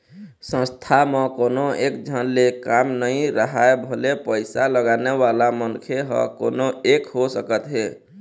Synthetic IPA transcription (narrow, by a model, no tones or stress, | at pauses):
sə̃st̪ʰamə̃konoekd͡ʒʱənlekamnəĩɾəɦaebʱəlepəɪsaləɡanewalamənkʰeɦə̰konoekɦosəkət̪ɦe